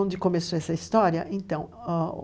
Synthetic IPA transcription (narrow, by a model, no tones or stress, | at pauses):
õnd͡ʒ̪ɪkomesoɛsɐist̪ɔɾjɐʔẽnt̪ɐ̃w̃o